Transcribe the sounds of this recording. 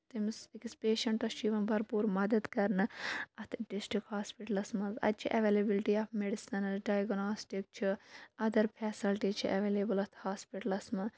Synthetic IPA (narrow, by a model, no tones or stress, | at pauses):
t̪imsikispeːʃɐɳʈɐʃiːʋɐnbʱɐɾpuːɾmɐd̪ɐd̪kɐɾnɨɐt̪ʰɖisʈɾikhaːspiʈɐlɐsmɐzɐ̰t̪̚t͡ʃʰiʔɐʋeːlebilʈiaːfmeɖisɐnɐlɖaːjɐɡnaːsʈik̚t͡ʃʰiɐd̪ɐɾpʰɛːsilʈiːt͡ʃʰiʔɐʋeleːbɨlɐt̪ʰhaːspiʈɐlɐsmɐ